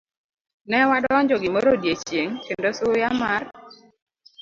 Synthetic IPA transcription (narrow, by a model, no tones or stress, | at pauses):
nɛwadɔɲd͡ʒɔɡɪmoɾodjet͡ʃjeŋkendosʊjamar